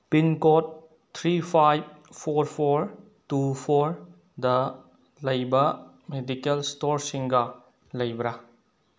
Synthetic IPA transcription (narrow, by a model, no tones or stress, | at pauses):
pinkɔt̚ | t̪ʰɾipʰajb̚pʰɔɾpʰɔɾ | tupʰɔɾ | d̪ɐ | lɐjbɐ | medikelstɔɾsiŋɡa | lɐjbɾa